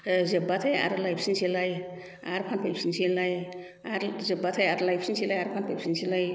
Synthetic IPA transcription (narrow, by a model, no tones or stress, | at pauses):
zebat̪ʰaja̰ɾlajpʰsinsʰilaj | aɾpʰanpʰelpsinsʰilaj | aɾzebat̪ʰajaɾlajpsinsʰilajaɾpʰanpʰejpsinsilaj